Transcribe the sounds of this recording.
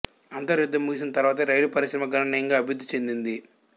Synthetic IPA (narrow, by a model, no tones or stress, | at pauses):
ɐnt̪ɐɾjud̪ːɐmːuɦis̬inɐt̪ɐɾʋaːt̪̬ɐɾɐjlupɐɾiʃɾɐmɐɡɐnɐnːɐjɐŋɡaːbijud̪ːit͡ʃe̞nd̪ind̪i